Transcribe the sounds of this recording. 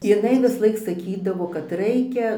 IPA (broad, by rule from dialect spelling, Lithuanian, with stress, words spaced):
jɪˈnɐɪ ʋʲɪsˈlˠɐɪk sɐˈkʲiːdɐʋoː kɐt ˈrɐɪkʲɛ